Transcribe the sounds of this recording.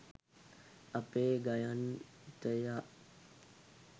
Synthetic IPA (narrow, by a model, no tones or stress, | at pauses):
apeːɡajan | t̪əjaʔ